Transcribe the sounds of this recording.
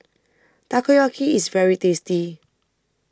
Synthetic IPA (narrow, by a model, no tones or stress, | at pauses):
t̪akujɔkʰiisvɛɹitesti